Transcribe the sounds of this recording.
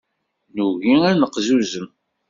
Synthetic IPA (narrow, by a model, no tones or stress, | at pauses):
nuʝiænəqzuzəm